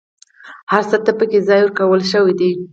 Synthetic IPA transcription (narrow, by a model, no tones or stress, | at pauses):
haɾsat̪apəkezɑjʊɾkawəlʃəwid̪i